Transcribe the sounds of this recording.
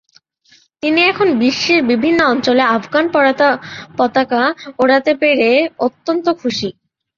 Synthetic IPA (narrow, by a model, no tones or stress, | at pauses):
t̪iniɛkʰonbiʃːiɾbibʱinːoɔnt͡ɕoleafɡanpɔɽat̪apɔt̪akaoɽat̪epeɾeot̪ːont̪okʰuʃi